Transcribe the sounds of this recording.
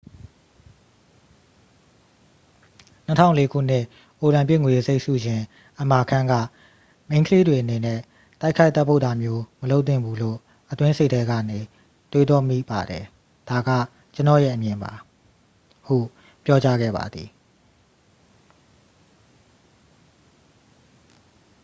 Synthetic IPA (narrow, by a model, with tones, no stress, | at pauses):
n̥ətʰã˦ʊ̃le˦kʰṵ˦˨n̥ɪ˦˨ʔ | o˨ɾã˨mpjɪ˦˨ŋwe˨ze˦ɪʔsṵ˦˨jɪ̃˨ | ʔəma˨kʰã˦ŋɡä̰˦˨ | mẽ˦ɪ̃kʰəle˦dwe˨ʔəne˨nɛ˦˨ | t̪a˦ɪʔkʰa˦ɪt̪ːɛ˦pʰːo˦ʊt̪a˨mjo˦məlo˦ʊt̪̬ːɪ̃˦˨mbu˦lo̰˦˨ | ʔət̪wɪ̃˦nse˦˨ʔtʰɛ˦ɡä̰˦˨ne˨ | t̪we˦d̪wɔ˦mḭ˦˨ba˨dɛ˨ | d̥a˨ɡä̰˦˨ | t͡ɕə˦nɔ̰˦˨jɛ̰˦ʔəmjɪ̃˨mba̰˨ | hṵ˦˨ | pjɔ˦t͡ɕa˦ɡɛ̰˦˨ba̰˨d̪i˨